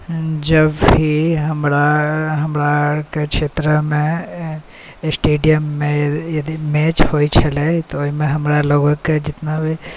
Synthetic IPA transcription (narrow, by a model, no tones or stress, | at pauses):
d͡ʒəbiɦəmɾaɦəmɾakekʃeːt̪ɾəmẽ | sʈeːɖijəmːẽjɐd̪imɛːt͡ʃhoːit͡ʃʰɐlet̪oimẽɦɐmɾaloːɡokːed͡ʒɪt̪nabʱi